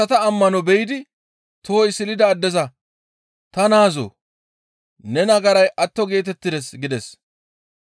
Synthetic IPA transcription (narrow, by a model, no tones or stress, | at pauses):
ɐt̪ɐːmːɐnɔbɛjɪd̪ɪ | t̪oːjɪsɪlɪd̪ɐːd̪ːɛzɐ | t̪ɐnaːzo̰ː | nɛnɐɡɐɾɐjʔɐt̪ːɔɡe̞ːt̪̬ɛt̪ːɪd̪ɛsɡɪd̪ɛs